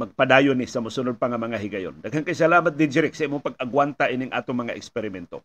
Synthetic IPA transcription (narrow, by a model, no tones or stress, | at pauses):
mɐɡ̚pad̪aːjʊnɪsɐmʊsʊnod̪̚paŋɐmɐŋaɦiɡɐjo̰nd̪ɐɡhankajs̬ɐlaːmat̪̚d̪ɪd͡ʒɪɾɪk̚sɐʔimoŋpaɡ̚aɡwant̪aʔinɪŋʔa̰ːt̪oŋmɐŋaʔɛ̰kspɛɾɪmɛnt̪o̰